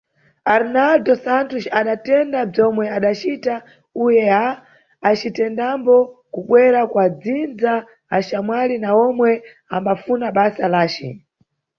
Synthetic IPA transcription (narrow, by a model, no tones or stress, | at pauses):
aɾnaldɔsantuʃaɗatɛndab͡ʐɔmwɛaɗat͡ʃita | ujɛaː | t͡ʃitɛndambɔkuɓwɛɾakwad͡zind͡zaː | t͡ʃamwalinaɔmwɛ | ambafunaɓasalaːt͡ʃḭ